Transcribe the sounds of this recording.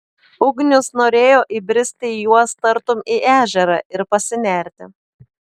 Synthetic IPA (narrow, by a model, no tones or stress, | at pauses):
ʊɡnʲʊsnoːɾʲeːjoːʔibʲɾʲɪsʲt̪ʲɪjuɔst̪ɐɾt̪ʊmiʔæːʒʲɛɾɐʔɪɾpɐsʲɪnʲæˑɾʲt̪ʲɪ